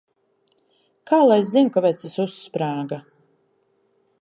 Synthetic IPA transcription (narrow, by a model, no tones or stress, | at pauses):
kʰaːlˠajzzinkavɛjt̪sesuspɾaːɡa